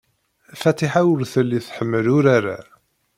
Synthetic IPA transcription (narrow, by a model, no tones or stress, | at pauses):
fæt̪iħawəɾθəlːiθħəmːəlʊɾaɾa̰